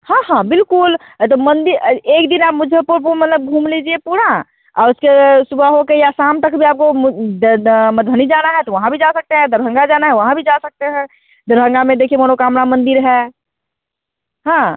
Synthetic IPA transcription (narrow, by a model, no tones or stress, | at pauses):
hãɦãbɪlkʊl | t̪omənd̪iɾeːkd̪inaːp̚mʊd͡ʒʱepuɾpuɾmət̪ləb̚ɡʱũːmlid͡ʒiepuɽã | aːɾʊskesubʱaɦokejasamt̪əkbʱiaːp̚ko | məd̪̚bʱənid͡ʒanaɦɛt̪ɔʋəɦãbʱid͡ʒasək̚t̪eɦɛ̃d̪əɾɦə̃ŋɡad͡ʒanaɦɛʋəɦãbʱid͡ʒasək̚t̪eɦɛ̃ | d̪əɾɦə̃ŋɡamẽd̪ekʰiemənokaːmnamə̃nd̪iɾɦɛ | ɦã